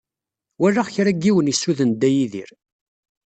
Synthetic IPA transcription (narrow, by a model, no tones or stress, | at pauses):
wæraʁçɾæɡːiwənjəsːuðənd̪ːæjiðḭɾ